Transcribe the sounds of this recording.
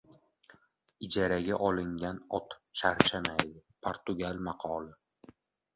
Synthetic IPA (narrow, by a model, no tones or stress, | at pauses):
ɪd͡ʒaɾaɡʲaʔɒlˠɪŋɡʲanɒt̪t͡ʃʰaɾt͡ʃʰamajd̪ɪpʰoɾt̪ʊɡʲalmɑqʰɒlˠɪ